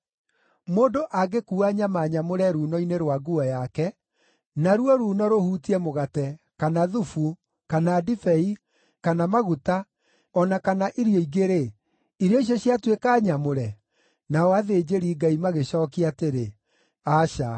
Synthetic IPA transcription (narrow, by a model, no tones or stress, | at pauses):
moːndoʔaɡekuːaɲamaːɲamoɾɛɾuːnɔineɾwaɡuɔjakɛ | naɾuɔɾuːnɔɾohuːtiɛmoɣatɛkanaðufu | kanaːdifɛi | kanamaɣuta | ɔnakanaʔiɾjɔiɡeɾe | iɾjɔiɕ̬ɔɕiatwekaːɲamoɾɛ | naɔaðed͡ʑeɾiːɡaimaɣeɕɔːkiateɾe | aɕa̰